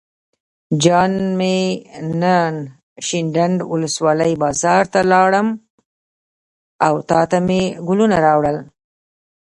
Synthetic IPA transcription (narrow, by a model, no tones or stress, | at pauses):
d͡ʒɑnmenən | ʃɪɳɖaɳɖwʊləswɑləjbɑzɑɾt̪alɑɽəm | awt̪ɑt̪ameɡʊlunaɾɑwɽəl